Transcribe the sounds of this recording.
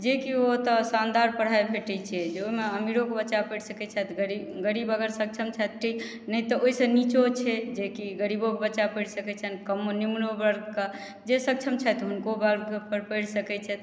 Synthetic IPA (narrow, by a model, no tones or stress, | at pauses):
d͡ʒekiot̪ɔsand̪aɾpəɽ̤aebʱeʈɛt͡ʃʰɛd͡ʒeoimeəmiɾokebətːʃapəjɽsəkɛt͡ʃʰɛt̪ɡəɾiɡəɾibəɡəɾsək̚t͡ʃʰəmt͡ʃʰɛt̪̚ʈʰik | nət̪ɔʔoisə̃nit͡ʃot͡ʃʰɛd͡ʒekiɡəɾibokebətːt͡ʃapəjɽsəkɛt͡ʃʰənkəmonimlobəɾɡkə | d͡ʒesək̚t͡ʃʰəmt͡ʃʰɛt̪ɦunkobəɾɡpəɾpəjɽsəkɛt͡ʃʰɛt̪